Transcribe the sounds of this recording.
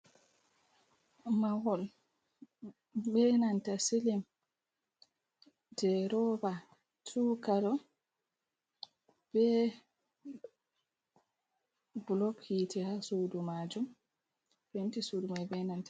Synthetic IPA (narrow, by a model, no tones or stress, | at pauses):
mawɔl | bɛnantasilim | dɛɾɔba | tʰukaɾɔ | b̥ɛ | bulɔkʰːitɛhasudumad͡ʒum | bentisudumajbɛnantḁ